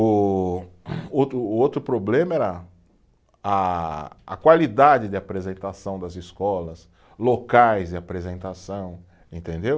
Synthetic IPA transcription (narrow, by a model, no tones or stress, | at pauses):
ʊ | ot̪ɾʊːot̪ɾʊpɾoblẽmɐɛɾɐ | aː | kwalid̪ad͡ʒɪd͡ʒ̪ɪapɾezẽnt̪asɐ̃w̃d̪ɐziskɔlɐs | lokajzdɪapɾezẽnt̪asɐ̃w̃ | ẽnt̪ẽnd̪ew